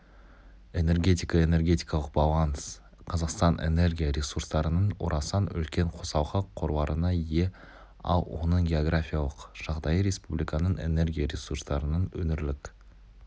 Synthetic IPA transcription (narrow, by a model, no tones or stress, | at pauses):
e̞ne̞rɡʲe̞t̪ijkɑe̞ne̞rɡʲe̞t̪ijkɑlˠəqbɑlˠans | qʰɑzɑqst̪ɑnʔe̞̰ne̞ɾɡʲijaɾe̞surst̪ɑɾənəɴwo̰ɾʔɑsɑnʏ̰lkʲe̞ɴqʰo̞sɑwʁɑqʰo̞ɾbɑɾʔənɑje | ɑ̰lˠwo̰nəɴɡʲe̞oɡrafʲijalˠəqʒ̥ɑʁd̪ɑjəɾe̞spublijkɑnəɴe̞ne̞ɾɡʲijaɾʲesuɾst̪ɑɾənənwɵnɪɾlɪk